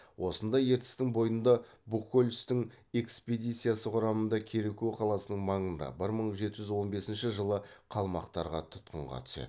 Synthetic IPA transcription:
wʔo̞sənd̪ɑje̞ɾt̪ɪ̥st̪ɪŋbo̞jənd̪ɑ | bukːolʲʏst̪ɪŋ | e̞kspʲed̪it̪sɨijasəqʰʊɾɑmənd̪ɑkʲʰe̞ɾekʲuwqʰɑlˠɑsənəɴmɑɴənd̪ɑ̰bɪɾməɴʒe̞t̪ɪʒʏzwo̞nbe̞sɪnʃɪʒəlˠəqʰɑlˠmɑ̰qt̪ɑɾʁɑ̰t̪ʰʊ̥t̪̚qəɴʁɑ̰t̪ʰʏ̥sḛd̪

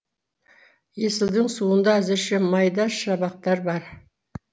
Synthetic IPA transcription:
je̞sɪld̪ɪɴsuənd̪ɑæzɪɾʃɪmɑjd̪ɑʃɑbɑq̚t̪ɑɾbɑɾ

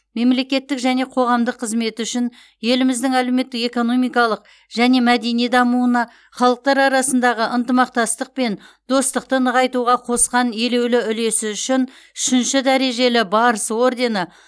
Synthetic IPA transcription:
me̞mle̞kʲe̞t̪ːɪkʒæne̞qʰo̞ʁɑmd̪əqʰːəzme̞t̪ɪʏʃɪn | je̞lɪmɪzd̪ɪŋælewme̞t̪ːɪke̞ko̞no̞mijkɑlˠəq̚ | ʒ̥æne̞mæd̪e̞nijd̪ɑmuənɑ | χɑlˠəq̚t̪ɑɾɑɾɑsənd̪ɑʁəʔənt̪əmɑq̚t̪ɑst̪əq̚pe̞nd̪̥o̞st̪əq̚t̪ənəʁɑjt̪uʁɑqʰo̞sqɑne̞le̞wlɪʏle̞sɪʏʃɪn | ʏ̥ʃɪnʃɪd̪æɾe̞ʒe̞lɪbɑɾəsəwo̞rd̪e̞nə

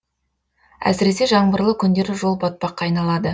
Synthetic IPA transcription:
æ̰sɪɾe̞se̞ʒɑɴbəɾlˠəkʲʰʏnd̪e̞ɾɪʒo̞lˠbɑt̪̚pɑqːɑjnɑlˠɑd̪ə

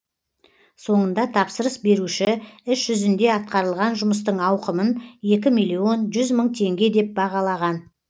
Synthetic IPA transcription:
so̞ɴənd̪ɑt̪ʰɑpsəɾəsbe̞ɾuʃɪɪʃʒʏzɪnd̪e̞ɑt̪̚qɑɾəlˠʁɑnʒʊməs̬t̪əɴɑwqəmənje̞kʲɪmijlʲio̞nʒʏzməɴt̪ʰe̞ŋɡʲe̞d̪e̞p̚bɑʁɑlˠɑʁɑn

